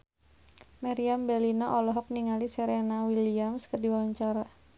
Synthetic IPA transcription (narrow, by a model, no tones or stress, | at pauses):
maɾiambɛlinaʔɔlɔɦɔk̚niŋalisɛɾenawiliamskərdiwawɲt͡ʃaɾa